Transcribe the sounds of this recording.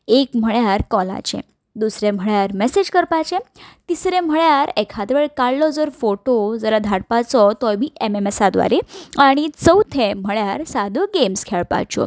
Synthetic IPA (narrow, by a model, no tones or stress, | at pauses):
ekm̤əɭjaɾkɔla̰t͡ɕḛ̃ | d̪usɾem̤əɭjaɾmɛsed͡ʑkəɾpat͡ɕẽt̪isɾẽm̤əɭjaɾekʰad̪ʋeɭkaɭːɔd͡zəɾfoʈod͡zəɾad̪ʱaɽpat͡sɔt̪ɔjbʱiʔememesad̪ʋa̰ɾeaɽ̃it͡səwt̪ʰẽm̤əɭjaɾsad̪ʱəɡemskʰɛɭpa̰t͡ɕɔ̰